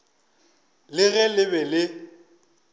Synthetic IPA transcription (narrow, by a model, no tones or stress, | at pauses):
lɪɣɛlɪbɛlɪ